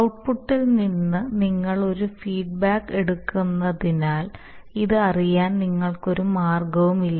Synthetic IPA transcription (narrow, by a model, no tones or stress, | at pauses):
ɐwʈ̚puʈːilninːɨniŋːɐɭo̞ɾufiːɖ̚baːkːe̞ɽukːunːɐðinaːl | iðɨɐrijaːnniŋːɐɭkoɾumaːrɡɐʋumilːɐ